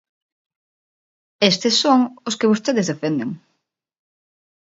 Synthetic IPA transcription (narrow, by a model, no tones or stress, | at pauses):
est̪ɪsːoŋʊskɪβost̪eðɪzðefend̪eŋ